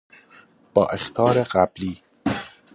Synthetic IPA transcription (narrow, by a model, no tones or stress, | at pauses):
b̥ɒːʔext̪ʰɒːɾeɢæb̥liː